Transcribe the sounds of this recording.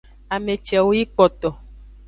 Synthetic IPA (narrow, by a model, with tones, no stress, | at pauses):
a˨me˨t͡ʃɛ˨wo˦ji˦k͡pɔ˨t̪ɔ˨